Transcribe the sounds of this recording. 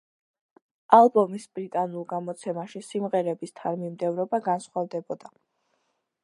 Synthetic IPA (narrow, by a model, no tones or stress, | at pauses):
alˠbɔmisbɾit̪ʼanulˠɡamɔt̪sʰɛmaʃisimʁɛɾɛbist̪ʰaɾmimd̪ɛvɾɔbaɡansχwavd̪ɛbɔd̪a